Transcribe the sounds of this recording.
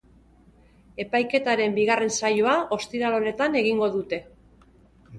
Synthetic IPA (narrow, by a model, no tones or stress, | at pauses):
e̞pajke̞t̪aɾe̞mbiɣare̞nsajoao̞st̪iɾalo̞ne̞t̪ane̞ɣiŋɡo̞ðut̪e̞